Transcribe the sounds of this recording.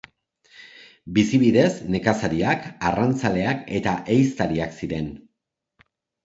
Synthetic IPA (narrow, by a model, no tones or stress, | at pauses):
bisiβiðe̞zne̞kasaɾiakarant͡sale̞ake̞t̪aʔejst̪aɾiaksiɾe̞n